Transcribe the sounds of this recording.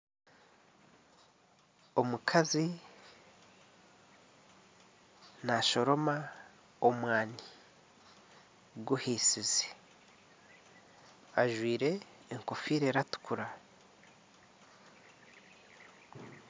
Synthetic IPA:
o̞mukʰazi | naʃo̞ɾo̞ma | omwaːni | ɡuhisize̥ | aʒwiːɾe̞ː | ŋko̞fiːɾeɾatu̥kʰuɾa

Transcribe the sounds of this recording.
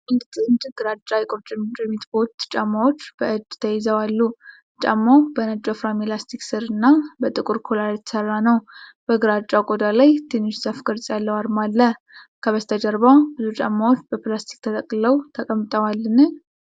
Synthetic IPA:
ɨlɡʼt̪ʼɨɨnd͡ʒɨɡ̥ɨɾat͡ʃʼːajɛkʼot͡ʃʼɪmt͡ʃʼɛmit̪bo̞t̪t͡ʃʼamːawot͡ʃːb̥əʔɨd̪t̪ʰəjɛzəwalːu | t͡ʃʼa̰mːawbənat͡ʃʼːofɾamelast̪ʰiksɨɾɨnːabət̪ʼɨkʼuɾkʰolaɾjɛt̪ʰə̥sərːanəwb̥əɡɨɾat͡ʃʼakʼod̪alajt̪ʰenod͡ʒsafɡɨɾt͡sʼjalːəwaɾmalːə | kʰəβəst̪ʰəd͡ʒəɾβawbɨzut͡ʃʼa̰mːawot͡ʃːbəplast̪ʰi̥k̚ʼt̪ʰət̪ʼəkʼləwt̪ʰəkʼəmːt̪ʼəwalːɨnɨn

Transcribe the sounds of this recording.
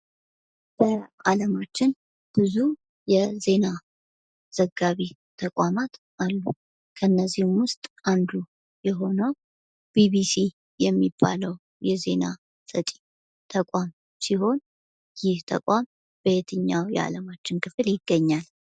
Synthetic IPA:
b̥əʔaləmat͡ʃːɪn | b̥ɨzu | jɛze̞na | z̥əɡːaβi | t̪ʰəkʼamat̪ | ʔalːu | kʰəɨnːəzːihɪmwʊst̪ʼand̪u | jɛɦo̞nəw | b̥iβisi | jɛmːibːa̰ləw | jɛze̞na | sʼət͡ʃʼi̥ | t̪ʰəkʼam | siɦo̞n | jɪht̪ʰə̰kʼam | b̥əet̪ʰɨɲːawjɛ̰a̰ləmat͡ʃːɪnkʰɨfɨljɪɡːəɲːal

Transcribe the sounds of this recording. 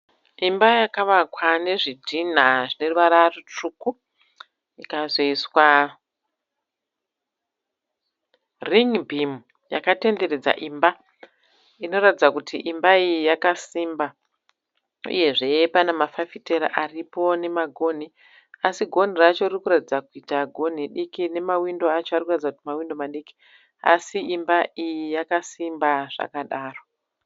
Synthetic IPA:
imbajakaʋakwane̞ʐidʱin̤aʐine̞ruʋaɾarut͡ʂuku | ikazo̞iswa | riŋbʱimu | ja̰kate̞nde̞re̞d͡za̰ʔiːmba | ino̞ratid͡zakutʰiʔimbaijakasimba | ṵje̞ʐe̞panamafafite̞ɾa̰ʔaripo̞ne̞maɡʱo̞n̤i | asiɡʱo̞n̤irat͡ʃo̞irikuratid͡zakuitaɡʱo̞n̤iɗikine̞mawindo̞at͡ʃoaɾikuratid͡zak̚utimawindo̞maɗiki̥ | a̰siimbaijijakasimbaʐ̥a̰kaɗaːro

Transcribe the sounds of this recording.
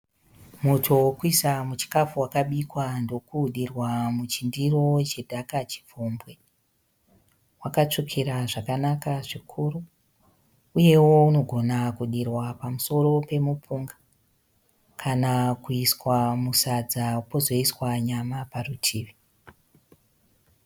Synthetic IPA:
mutʰo̞kuisamut͡ʃi̥kafuwakaɓikwando̞kuɗirwamut͡ʃindiro̞t͡ʃedʱakat͡ʃi̥p͡fombwe̞ | wakat͡ʂokʰeɾaʐakanakaʐikʰuru | uje̞wo̞uno̞ɡʱo̞nakuɗirwapamuso̞ro̞pe̞mupuŋɡḁ | kʰanakuiswamusad͡zapo̞zo̞iswaɲamaparutʰiːʋi

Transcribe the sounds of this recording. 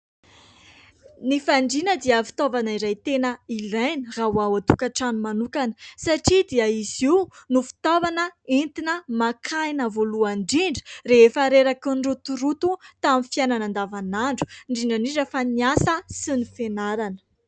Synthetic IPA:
nifaɳɖ͡ʐinəd̪iəfi̥t̪ovanaiɾajt̪enəilajnirawawat̪u̥kaʈ͡ʂanumanukanə̥saʈ͡ʂid̪iəiziunufi̥t̪ovanəint̪inəmakʰajnəvoluaɳɖ͡ʐiɳɖ͡ʐə̥reefəɾeɾakuɳɖ͡ʐut̪uɾut̪ut̪aminfjananand̪avanaɳɖ͡ʐu̥ɳɖ͡ʐiɳɖ͡ʐanizəfaniasəsinifenaɾanə̥

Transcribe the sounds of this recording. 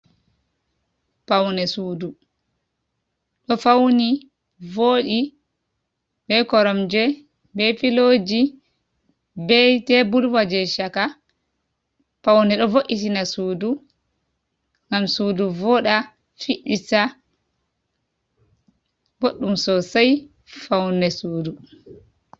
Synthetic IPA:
pawnɛsuːdu | ɗɔfawni | voːɗi | bɛkɔɾɔmd͡ʒɛ | bɛfilod͡ʒi | bɛtɛbulwad͡ʒɛʃaka | fawnɛɗɔvoʔitinasuːdu | ŋɡamsuːduvɔɗa | fiɗisa | ɡoɗːumsɔsaj | fawnɛsuːdu

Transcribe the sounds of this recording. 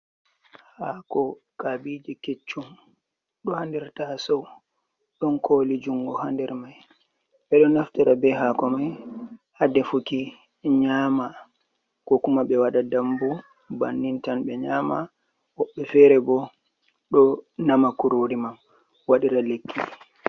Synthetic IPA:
hakɔ | kabid͡ʒiket͡ʃːum | ɗɔhandɛɾtasɔw | ɗɔnkʰoːlid͡ʒuŋɡɔhandɛɾmaj | ɓɛɗɔnaftiɾabɛɦakɔmajhadɛfuki | ɲaːma | kɔkumaɓɛwaɗadambu | banːintanɓɛɲaːma | wɔɓːɛfɛɾɛbɔ | ɗɔnamakuɾoːɾimam | waɗiɾalekʰːi

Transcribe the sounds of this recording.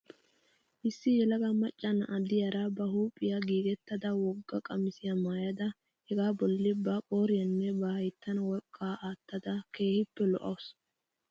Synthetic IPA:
ʔɪsːɪjɛlɐɡɐmɐt͡ʃʼːɐnɐʔɐd̪ɪjɐɾɐbɐhuːpʼːɪjaɡiːɡɛt̪ːɐd̪ɐwɔɡːɐkʼɐmɪsɪjɐmaːjɐd̪ɐ | hɛɡaːbɔlːɪbɐkʼoːɾɪjɐnːɛbɐhɐjt̪ːɐnwɔkʼːaːʔaːt̪ːɐd̪ɐke̞ːhɪpːɛlɔʔɐws

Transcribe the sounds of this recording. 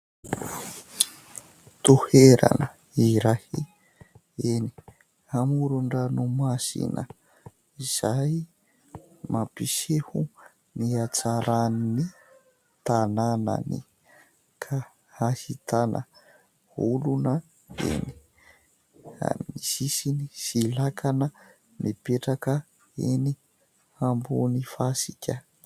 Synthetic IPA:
t̪uheɾa̰nə | iɾahi | eni̥ | hamuɾuɳɖ͡ʐanumasḭnə | iz̥aj | mapisehu | niat͡saɾanini | t̪anana̰ni | kʰa | hahit̪anʔə̰ | ulunə | ḛni̥ | a̰misisinisilakʰanə | mipeʈ͡ʂakə | eni | ambunifasikʲə

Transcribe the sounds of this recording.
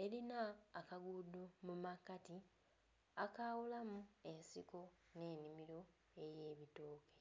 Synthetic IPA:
e̞ɾinaːkaɡudomumakati | akawulamue̞nsiko̞ | ne̞ːnimiɾo̞ | e̞je̞ːβitoːke̥

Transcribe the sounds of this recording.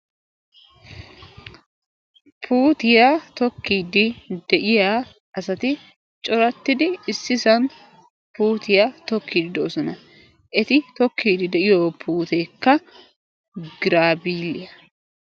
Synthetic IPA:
pʰuːt̪ɪjat̪ɔkːiːd̪ɪd̪ɛʔɪjaː | ɐsɐt̪ɪ | t͡ʃʼɔɾɐt̪ːɪd̪ɪːsːɪsɐn | puːt̪ɪjat̪ɔkʰːiːd̪ɪd̪oːsɔnɐ | ʔɛt̪ɪt̪ɔkʰːiːd̪ɪd̪ɛʔɪjoːpʰuːt̪eːkːɐ | ɡɪɾaːbiːlɪjɐ

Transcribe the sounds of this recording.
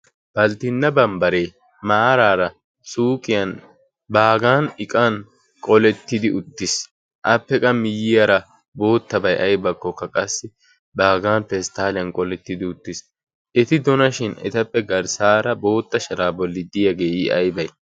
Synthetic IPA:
b̥ɐlt̪ɪnːɐbɐmbɐɾe̞ː | maːɾaːɾɐ | suːkʼɪjɐn | baːɡaːnɪkʼɐn | kʼɔlɛt̪ːɪd̪ɪʔʊt̪ːɪs | ʔɐpːɛkʼɐmɪjːɪjɐɾɐ | bo̞ːt̪ːɐbɐjʔɐjbɐkːɔkːɐkʼɐsːɪ | baːɡaːnpɛst̪aːlɪjɐnkʼɔlɛt̪ːɪd̪ɪʊt̪ːɪs | ʔɛt̪ɪd̪ɔnɐʃɪnɛ̰t̪ɐpːɛɡɐɾsaːɾɐbo̞ːt̪ːɐʃɐɾaːbɔlːɪd̪ɪjɐɡeːɪɐjbɐj

